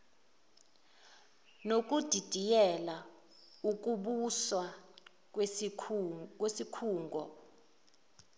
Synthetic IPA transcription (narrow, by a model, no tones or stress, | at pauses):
nok̬ʼud̥ʱid̥ʱijɛla | uk̬ʼuɓuswa | kwesikʰuːŋɡʱɔ